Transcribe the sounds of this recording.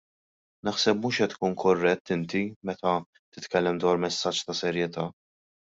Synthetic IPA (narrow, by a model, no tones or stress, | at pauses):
nɐħsɛpmuːʃɛt̪ːkuːnkʰɔrːɛt̪ːɪnt̪imɛt̪ɐ | t̪ɪt̪kɛlːɛmd̪wɐːɾmɛsːɐt͡ʃːt̪ɐsɛɾjɛt̪ɐː